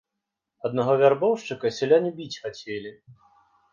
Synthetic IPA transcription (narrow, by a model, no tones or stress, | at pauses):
ɐd̪̚nɐɣɔvʲarbɔwʂt͡ʂɨkɐsʲɛlʲanʲibʲit͡sʲxat͡sʲelʲi